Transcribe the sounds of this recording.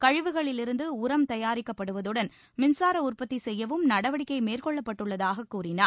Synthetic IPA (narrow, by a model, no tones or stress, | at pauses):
kɐɻɪʋɯɣɐɭɪlɪɾɯnd̪ɯʊɾɐmt̪ɐjaːɾɪkːɐpːɐɽɯʋɐðɯɽɐn | mɪnsaːɾɐʊrpɐt̪ːisɛjːɐʋɯmnɐɽɐʋɐɽɪkːɐɪmeːrkɔɭːɐpːɐʈːɯɭːɐðaːɣɐkːuːrɪnaɾ